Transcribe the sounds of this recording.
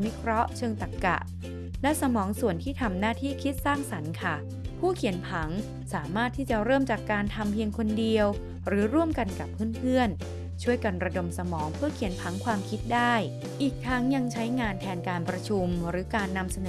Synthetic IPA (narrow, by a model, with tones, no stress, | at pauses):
wi˦˥kʰɾɔ˦˥t͡ɕʰɤː˧ŋt̪a˨˩kːa̰˨˩ʔ | lɛ˦˥sa˧mɔː˩˦ŋsu˨˩ənt̪ʰiː˥˩t̪ʰa˧mnaː˥˩t̪ʰiː˥˩kʰi˦˥t̪̚saː˥˩ŋsa˩˦nkʰa˥˩ | pʰuː˥˩kʰi˨˩˦npʰa˩˦ŋ | saː˩˦maː˥˩t̪ʰːiː˥˩t͡ɕa˨˩ɾɤː˥˩mt͡ɕa˨˩kːaː˧nt̪ʰa˧mpʰi˧əŋkʰo˧ndi˧əw | ɾɯː˩˦ɾu˥˩əmka˧nka˨˩pʰːɯ˥˩np̪ʰɯ˥˩ən | t͡ɕʰu˥˩əjka˧nɾa˧do˧msa˧mɔː˩˦ŋpʰɯ˥˩ɐkʰi˩˦ənpʰa˩˦ŋkʰwaː˧mkʰi˦˥t̪̚daː˥˩j | ʔiː˨˩k̚t̪ʰa˦˥ŋja˧ŋt͡ɕʰa˦˥jŋaː˧nt̪ʰɛː˧nkaː˧npɾa˧t͡ɕʰu˧mɾɯː˩˦kaː˧nːa˧msa˧nɤː˩